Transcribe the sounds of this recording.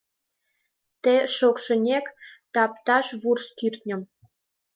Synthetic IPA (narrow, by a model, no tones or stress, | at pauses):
t̪eʃokʃə̆nʲekt̪ɑp̚t̪ɑʃβurskirt̪ʲnʲə̆m